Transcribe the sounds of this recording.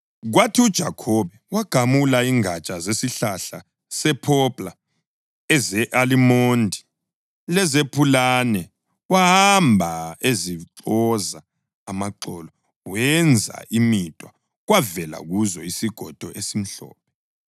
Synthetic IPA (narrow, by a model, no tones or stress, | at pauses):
ɣwatʰiud̥ʒ̥ʱa̰kʰɔβɛwaɡ̥ʱamulaiŋʱat͡ʃʼazesiɬaɬa | sɛpʰɔpʼla | ɛzɛʔalimondʱi | lɛzepʰulanɛ | wahambʱaeziǁɔzaː | maǃɔlɔ | wɛnd͡zʱa̰ʔimitʼwa | ɣwavɛla̰ɣuzɔisiɡ̥ʱɔd̥ʱɔʔesim̩ɬɔ̰ːp̚ʰɛ